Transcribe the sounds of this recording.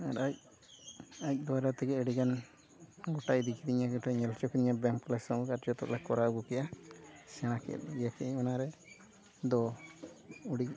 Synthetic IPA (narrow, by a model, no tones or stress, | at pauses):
aɾac̚ | ac̚ˀd̪ɔwaɾat̪ɛɡɛɛɽikan | ɡɔʈajd̪ikit̪iɲaɡɔʈajɲɛlt͡ʃɔkiniɲabɛmklɛsɔkaɾd͡ʒɔt̪ɔ̰ʔlɛkɔɾaɡɔkɛjasɛɽ̃akɛ̰t̪ɡjakɛɲmanaɾɛ | d̪ɔ | uɽi